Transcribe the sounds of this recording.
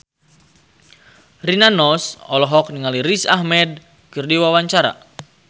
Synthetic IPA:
rinanɔsɔ̰lɔɦɔk̚niŋaliɾisa̰hmɛd̚ | kɨrdiwawaɲt͡ʃaɾa̰

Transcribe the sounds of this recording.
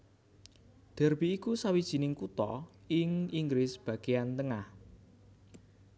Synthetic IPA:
d̪̥ɛ̤rb̥iːkusawid̥ʒ̥i̤nɪŋkut̪ɔ̰ | ɪŋiŋɡɾɪsb̥ä̤ɡ̥ejant̪əŋah

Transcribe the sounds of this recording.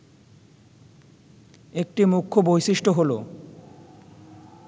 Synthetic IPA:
ek̚ʈimukʰːobojʃiʃʈoɦolo

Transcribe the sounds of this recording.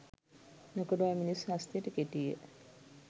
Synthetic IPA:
nokəɖuajminisɦast̪ijəʈəkeʈijə̰

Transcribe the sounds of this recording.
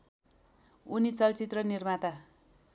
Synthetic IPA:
unit͡sʌlt͡sit̪rʌnirmat̪a

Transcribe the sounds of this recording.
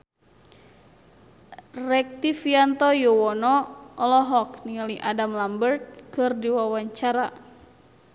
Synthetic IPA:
rɛk̚t̪ifiant̪ɔjuwɔnɔʔɔlɔɦɔkniŋaliʔadamlambərt̪̚kɨrdiwawaɲt͡ʃaɾa

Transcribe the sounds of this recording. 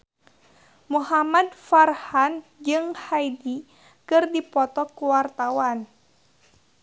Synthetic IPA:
muhamadfarhand͡ʒɨŋhaidi | kɨrdipɔt̪ɔkuwart̪awan

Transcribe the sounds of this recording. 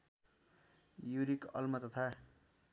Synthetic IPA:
juɾikʌ̰lmʌt̪ʌt̪ʰa

